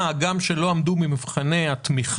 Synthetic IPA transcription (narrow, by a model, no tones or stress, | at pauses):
aɡamʃelo̞amd̪umimivχane̞at̪miχ